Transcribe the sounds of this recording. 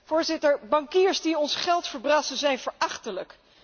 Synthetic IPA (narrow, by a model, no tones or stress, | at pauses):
v̥ʊːɹzɪtəɹbɑŋkiːɹzdiɔnsχɛlˠtfəɹbrɑːsəzɛjnvəɹʔɑχtələk